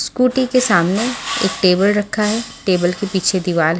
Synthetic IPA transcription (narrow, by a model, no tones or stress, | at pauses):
skuːʈikesaːmneḛːk̚ʈeːbəlɾɐkʰːaɦɛʈeːbəlkepiːt͡ʃʰed̪ɪʋaːlɦ